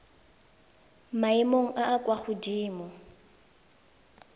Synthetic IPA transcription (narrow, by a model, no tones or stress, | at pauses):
maimoŋ̩ʔaʔːkʼwaχʊdiːmɔ